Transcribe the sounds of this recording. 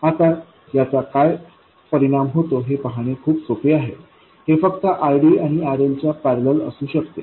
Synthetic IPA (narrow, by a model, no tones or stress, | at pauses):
at̪a | jat͡sakaj | pəɾiɽ̃amɦot̪oɦepəɦaɽ̃ekʰuːpsopeaɦḛ | hefəkt̪əʔajɖiːaɽ̃iaɾelt͡ɕjapæɾlələ̰suːɕəkt̪e